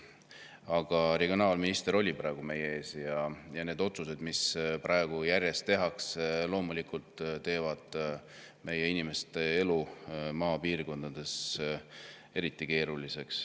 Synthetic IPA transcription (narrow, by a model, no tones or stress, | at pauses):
ɑɡ̥ɑɾeɡ̥ʲionɑːlminist̪eɾo̞lʲipɾɑeɡ̥ume̞jee̞ːsjɑjɑne̞ːd̪o̞t̪suse̞d̪misprɑeɡ̥ujærʲjest̪e̞ɦɑkslo̞ːmulikult̪t̪ːe̞ːvɑd̪̥ | me̞je̞inime̞st̪e̞e̞lumɑːpiːrko̞nd̪̥ɑd̪̥e̞s | e̞ɾit̪ːˑike̞ːɾulise̞ks